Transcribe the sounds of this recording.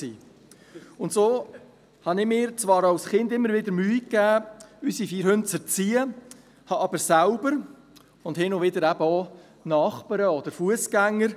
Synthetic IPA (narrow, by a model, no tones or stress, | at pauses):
siː | ʊntsoː | hɑnɪmɪːɾt͡svɑːɾɑwsχɪnd̪ɪmːəɾvɪd̪əɾmyːikːæːysifiːɾhɵnt͡sət͡siːə | hɑʔɑbəɾsælbəɾ | ʊndhɪnovɪd̪əɾæbəɔ | nɑːχpəɾəɔd̪əɾfuəskæŋːəɾ